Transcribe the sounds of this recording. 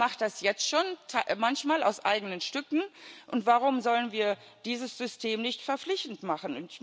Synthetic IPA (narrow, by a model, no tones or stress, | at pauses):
maχtd̥asjɛt͡stʃoːntʰamançmaːla̰ʊsʔa̰ɪɡənənʃtʏkŋ̩ʔʊntv̥aʁʊmzɔlənviːɐ | d̥iːzəsz̥ʏstʰeːmnɪçtfɛɐflɪçtn̩tmaχn̩ʊnt